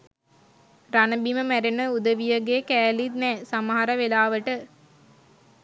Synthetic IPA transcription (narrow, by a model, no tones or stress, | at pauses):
ranəbiməmæɾenəud̪əʋijəɡekæːlit̪nɛːsaməɦaɾəʋelaːʋəʈə